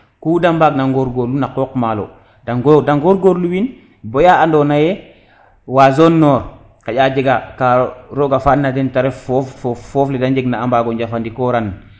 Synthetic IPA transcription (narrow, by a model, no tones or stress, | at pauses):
kuːdambaɡnaŋɡoɾɡoɾlunakokmalo̰ | daŋɡdaŋɡoɾɡoɾluwin | bojaandonajɛ | wazonːɔːɾ | kaɟad͡ʒeɡakaɾoɡafanːadɛntaɾɛfɔfɔfɔːflɛdaɲd͡ʒeɡnaːmbaɡɔɲɟafandikɔɾan